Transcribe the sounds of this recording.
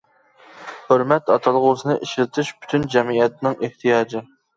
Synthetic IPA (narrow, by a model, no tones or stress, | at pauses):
høɾmɛt̪ɑt̪ʰɑlˠʁʊsɨnɨʔiʃlɪt̪ʰɪʃpy̥t̪ʰynd͡ʒɛmiɛt̪nɪŋʔeht̪ʰijɑːd͡ʒɨ